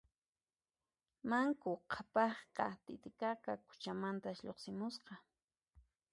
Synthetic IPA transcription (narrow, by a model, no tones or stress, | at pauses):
maŋkʊqʰapɑχqɑ̰t̪ɪt̪ɪkɑkakʊ̥t͡ʃamant̪aʃʎoχsɪmʊsqɑ